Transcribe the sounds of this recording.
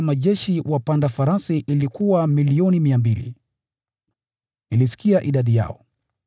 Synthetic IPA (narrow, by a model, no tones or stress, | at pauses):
maʄɛʃiwʔapandafaɾansiʔilikuwamiliɔnimiambilḭ | nilisi̥kiaʔiɗaɗija̰ɔ